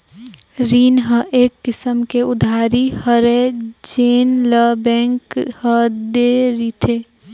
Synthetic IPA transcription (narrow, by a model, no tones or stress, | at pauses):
ɾiːnɦə̃ʔeːkːɪsəmkeʊd̪ʱaːɾihəɾed͡ʒeːnləbɛ̃ːŋkhəd̪eɾit̪ʰe